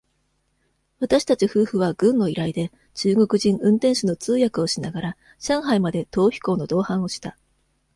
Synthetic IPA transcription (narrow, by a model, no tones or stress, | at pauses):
βat̪aɕi̥t̪at͡ɕiɸɯ̟ːɸɯ̟β̞aɡɯ̟̃nːo̞iɾaid̪e̞ | t͡ɕɨːɡo̞kɯ̟ʑĩŋ̃ɯ̟̃nt̪ẽ̞ɰ̃ɕino̞t͡sɨːjakɯ̟o̞ɕinaɡaɾa | ɕãɰ̃ɦaimad̪e̞t̪o̞ːçʲi̥ko̞ːno̞d̪o̞ːhãɰ̃o̞ɕi̥t̪a